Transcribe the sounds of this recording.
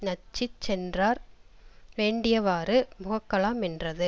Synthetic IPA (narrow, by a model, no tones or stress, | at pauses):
nɐt͡ʃːɪt͡ʃsɛndraːɾ | ʋeːɳɖɪjɐʋaːɾɯmʊɣɐkːɐɭaːmɪndrɐðɯ